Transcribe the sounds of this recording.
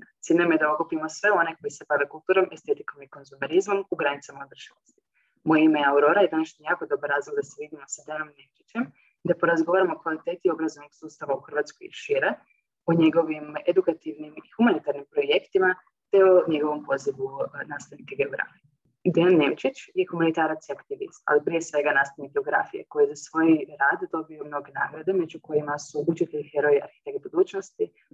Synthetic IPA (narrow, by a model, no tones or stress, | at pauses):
t̪siːd̪namjed̪aokupimosʋe̞o̞ne̞ko̞jise̞baʋekulˠt̪uːɾo̞mʔe̞st̪e̞t̪iko̞miko̞nzumeɾizmo̞muɡɾanit̪samaodr̩ʃilost̪i̥ | mojeimeauɾo̞ɾajed̪anaʃɲijaːko̞d̪o̞baɾːaːzlˠoɡd̪aseʋid̪imosad̪eno̞mne̞mt͡ʃit͡ɕem | d̪apoɾazɡoʋaːɾamokʋalit̪eːt̪io̞bɾazonoɡsuːst̪aʋauxərʋaːt̪skojḭʃiɾe | oɲe̞ɡo̞ʋimed̪ukat̪iʋnimixumanit̪aɾnimpɾo̞jekt̪ima | t̪eoɲe̞ɡo̞ʋo̞mpo̞ziʋunaːst̪aʋnikaɡeoɡɾa̰fij | d̪eanːeʋt͡ʃit͡ʃje̞xumanit̪aːɾat̪siakt̪iʋḭst̪a̰lipɾie̞sʋe̞ɡanaːst̪aʋnik̚ɡe̞o̞ɡɾa̰fijḛko̞jiezasʋo̞jiɾaːd̪d̪o̞bio̞mno̞ɡe̞na̰ːɡɾad̪e̞me̞d͡ʑuko̞jimasuʔut͡ʃit̪eʎixeɾo̞jia̰ɾxi̥t̪e̞kt̪̚bud̪uːt͡ʃnost̪i